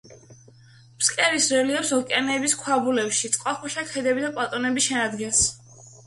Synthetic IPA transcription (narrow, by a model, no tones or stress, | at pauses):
pskʼɛɾisɾɛliɔpsɔkʼɛnɛbiskʰwabulɛpʃit̪sʼqʼwaχuʃakʰɛd̪ɛbid̪apʼat̪ʼɔnɛbiʃɛnad̪ɡɛns